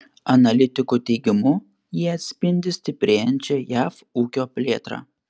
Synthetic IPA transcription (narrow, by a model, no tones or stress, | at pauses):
ɐnɐlʲɪt̪ʲɪkuːt̪ʲɛɪɡʲɪmʊ | jiːɐt̪ʲsʲpʲɪnʲd̪ʲɪsʲt̪ʲɪpʲɾʲeːjɛnʲt͡ʃʲɛjæːf | uːkʲoːpʲlʲeːt̪ɾɑ̰ː